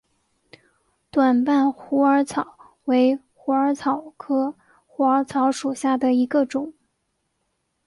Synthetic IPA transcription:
t̪wa˨˩npa˥˩nxu˧˥ə˞˧˥t͡sʰɑ˨˩˦ʊ | we˧˥ɪ | xu˧˥ə˞˧˥t͡sʰɑ˨˩ʊkʰɤ˥ | xu˧˥ə˞˧˥t͡sʰɑ˧˥ʊʂu˨˩ɕja˥˩d̪ə˩i˧˥ɡə˧ʈ͡ʂʊ˨˩˦ŋ

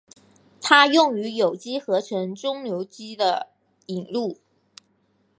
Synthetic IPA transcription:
t̪ʰa˥jʊ˥˩ŋy˧˥jo˨˩ʊt͡ɕi˥xɤ˧˥ʈ͡ʂʰɤ˧˥ŋʈ͡ʂʊ˥ŋljo˧˥ʊt͡ɕi˥d̪ə˨ | i˨˩ŋlu˥˩

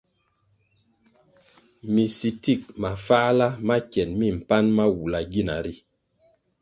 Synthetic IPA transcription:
mi˨si˨ti˦˨k̚ma˨fa˦la˦ma˦kjɛ˨nmi˦m̩˨pa˦nma˦wu˨la˨ɡi˦˨na̰˨ɾi˦

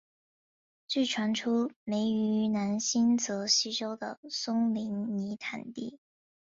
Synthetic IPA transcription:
t͡ɕy˥˩ʈ͡ʂʰwa˧˥nʈ͡ʂʰu˥me˧˥ɪy˧na˧˥nɕi˥nt͡sɤ˧˥ɕi˥ʈ͡ʂo˥ʊd̪ə̰˨˩sʊ˥ŋli˧˥ŋni˧˥t̪ʰa˨˩nt̪ḭ˥˩

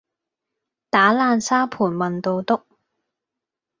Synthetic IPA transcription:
t̪aː˨˥laː˧nsaː˥pʰuː˨˩nmɐ˨nt̪o˧wt̪ʊ˥k̚

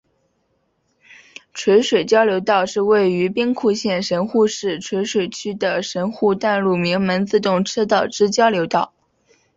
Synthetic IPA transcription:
ʈ͡ʂʰwe˧˥ɪʂwe˨˩ɪt͡ɕjɑ˥ʊljo˧˥ʊt̪ɑ˥˧ʊʂɻ̩˥˧we˥˩ɪy˧˥pi˥ŋkʰu˥˧ɕjɛ˥˩nʂə˧˥nxu˥˧ʂɻ̩˥˩ʈ͡ʂʰwe˧˥ɪʂwe˨˩ɪt͡ɕʰy˥d̪ə˨ʂə˧˥nxu˥˧t̪a˥˧nlu˥˩mi˧˥ŋmə˧˥nt͡sɹ̩˥˧t̪ʊ˥˩ŋʈ͡ʂʰɤ˥t̪ɑ˥˨˩ʊʈ͡ʂɻ̩˥t͡ɕjɑ˥ʊljo˧˥ʊt̪ɑ˥˩ʊ

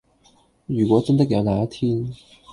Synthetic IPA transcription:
y˨˩kwɔ˧˥ʈ͡ʂə˥nd̪ə˨˩ke˨˩jɑ˧˥˩na˧˥t̪ʰi˥n

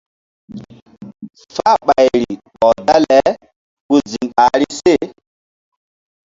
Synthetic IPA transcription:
ffa˦ɓa˨jɾi˨ɓɔ˨da˦lɛ˨˦ | ku˨zi˨ŋa˨ɾi˦se˦˨

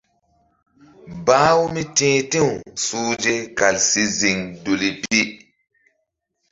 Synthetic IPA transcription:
ba˦wu˦mi˦tĩː˦tĩ˦wsuː˦d͡ʒe˦ka˨lsi˦zi˨ŋdu˨li˨pi˦

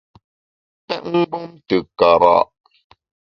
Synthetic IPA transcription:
pɛ˦ʔ̚ŋ̩˦ɡ͡bu˦mtə˨ka˨ɾa̰˨ʔ

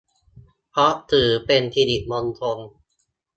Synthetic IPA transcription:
pʰɾɔ˦˥ʔt̪ʰɯː˨˩˦pe˧nt̪ʰiː˧di˨˩ʔmo˧nt̪ʰo˧n

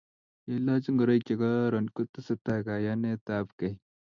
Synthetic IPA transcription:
je˦lːa˦t͡ʃi˦ŋɡə˨ɾa˦jkʲe˨ɡa˦ɾɐ˨nku˦t̪ːə˦sə˦t̪a˦ɡa˨ja˦ne˦t̪aː˦pka˨j

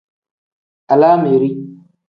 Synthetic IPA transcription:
a˨laː˦me˨ɾi˦

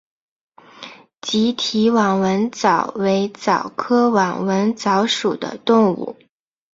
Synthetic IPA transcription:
t͡ɕi˧˥t̪ʰi˧˥wɑ˨˩ŋwə˧˥nt͡sɑ˨˩ʊwe˧˥ɪt͡sɑ˨˩ʊkʰɤ˥wɑ˨˩ŋwə˧˥nt͡sɑ˧˥ʊʂu˨˩d̪ə̰˦t̪ʊ˥˧ŋṵ˥˩

